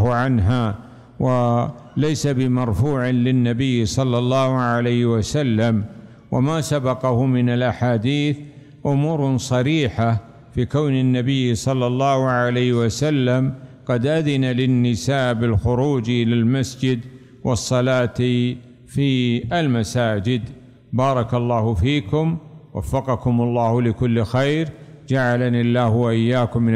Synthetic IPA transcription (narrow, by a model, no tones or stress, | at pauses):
ʕanɦa | walajsabɪmɑɾˤfuːʕɪlɪnːabɪjːsˤɑlːɑlːɑːhʕalajhwasalːam | wa̰masabɑqɑhʊmɪnalʔaħaːd̪iːθ | ʔʊmuːɾsˤɑɾiːħa | fiːkawnɪnːabɪjːsˤɑlːɑlˤːɑːhʕalajːhwasalːamqɑd̪ʔaðɪnalɪnːɪsaːʔbɪlxʊɾuːd͡ʒʔɪlalmasd͡ʒɪd̪ | wʔɑsˤːɑlaːt̪ | fiːʔalmasaːd͡ʒɪd̪ | bɑːɾˤɑkɑlˤːɑːhʊfiːkʊmwa̰fːɑqɑkʊmɑlˤːɑːhʊlɪkʊlːxajɾd͡ʒaʕalanɪlːaːhwaʔɪjːaːkʊmːɪn